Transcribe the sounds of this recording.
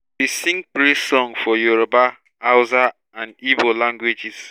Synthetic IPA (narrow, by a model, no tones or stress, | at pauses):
bisĩŋpɾesɔŋfɔjuɾoba | aʊza | ãnibolãŋɡwed͡ʒis